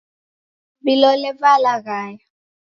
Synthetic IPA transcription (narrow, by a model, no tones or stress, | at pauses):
bilɔlɛvalaɣaːja